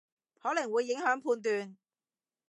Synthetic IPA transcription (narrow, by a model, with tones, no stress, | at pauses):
hɔː˨˥lɐ˨˩ŋwuː˨˧jːɪ˨˥ŋhœː˨˥ŋpʰuː˧nt̪̬yː˨˧n